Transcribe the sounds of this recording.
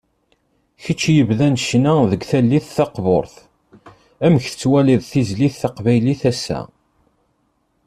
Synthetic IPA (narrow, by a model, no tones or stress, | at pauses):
çət͡ʃːjəvðænʃnæðəɡθælːiθθɑqvo̰ɾˤθ | æməçθə̥t͡sːwæliðˤθizliθːɑqvæjliθæsːæ̰